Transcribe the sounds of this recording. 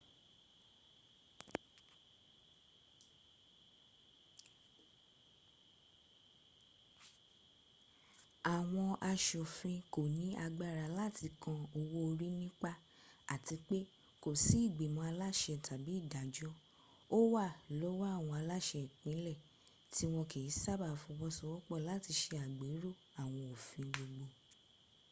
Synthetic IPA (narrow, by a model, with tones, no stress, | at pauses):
a˨w̃ɔ̃˧ʔa˧ʃɔ˨fĩ˧ko˨nĩ˨˦a˧ɡ͡ba˦˨ɾa˨˧la˦˨tʰi˧kã˧o˧wo˧ɾi˦nĩ˦k͡pa˦ | a˨ti˧k͡pe˦ | ko˨si˨˦i˦˨ɡ͡be˨mɔ̃˧˦a˧la˦˨ʃɛ˧˨tʰa˨bi˨˦i˦˨da˨d͡ʒɔ˦ | o˦wa˦˨lo˨˦wa˦˨w̃ɔ̃˧a˧la˦ʃɛ˧˨k͡pĩ˨˦lɛ˦˨ | ti˦w̃ɔ̃˧ke˨i˨˦sa˦ba˦˨fũ˧wɔ˦sɔ˧wɔ˦k͡pɔ˦˨la˨˦˨ti˧˦ʃe˧a˨ɡ͡be˨˦ɾo˦˨ | a˨w̃ɔ̃˧o˨fĩ˧ɡ͡bo˧ɡ͡bo˧